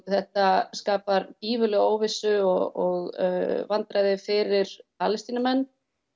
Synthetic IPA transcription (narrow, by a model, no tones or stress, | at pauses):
θɛht̪askaːpaɾt̪iːvʏlɛɣoːwvɪsʏɔɔɣvant̪ɾaðɪfɪɾɪɾ̥pʰaːlɪst̪iːnamɛnː